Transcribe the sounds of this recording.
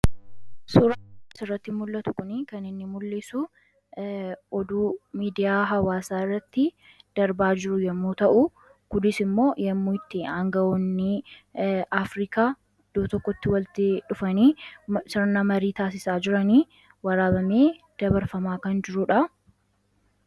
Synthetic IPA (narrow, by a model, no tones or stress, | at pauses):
suːɾasɪrːɐt̪ːɪmʊlːɐt̪ʊkʊnikɐnɪnːɪmʊlːeːsu | ʔɔd̪uːmiːd̪ɪjaːɦɐwaːsaːɪrːɐt̪ːɪ | d̪̥ɐɾbaːd͡ʒɪɾʊjɛmːuːt̪ɐʔʊ | kʊd̪ɪsɪmːo̞ːjɛmːuːɪt̪ːɪɐŋɡɐɔnːɪ | aːfɾiːkaː | d̪̥oːt̪ɔkːɔt̪ːɪwɐlt̪ɪᶑʊfɐniːsɪɾnɐmɐɾiːt̪aːs̬ɪsaːd͡ʒɪɾɐniː | wɐɾaːbɐmeːd̪̥ɐbɐɾfɐmaːkɐnd͡ʒɪɾʊᶑɐ